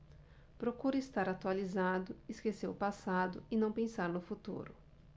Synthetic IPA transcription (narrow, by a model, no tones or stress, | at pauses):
pɾokuɾʊɪst̪aɾat̪ualizad̪ʊɪskeseɾʊpasad̪ʊɪnɐ̃w̃pẽsaɾnʊfut̪ṵɾʊ